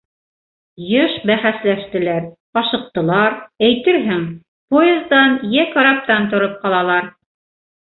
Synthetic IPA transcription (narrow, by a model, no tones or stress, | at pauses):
jɤʃbæχæslæʃt̪ɘ̆læɾ | ɑʃɤ̆q̚t̪ɤ̆lˠɑɾæjt̪ɘɾɦɘŋ | poezd̪ɑnjækɑ̆ɾɑp̚t̪ɑnt̪̬ŏɾɤp̚qɑlˠɑlˠɑɾ